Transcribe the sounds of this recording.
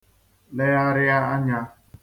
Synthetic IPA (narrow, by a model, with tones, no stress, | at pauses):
le˦ja˦ɾɪ˦a˦a˦ɲa˦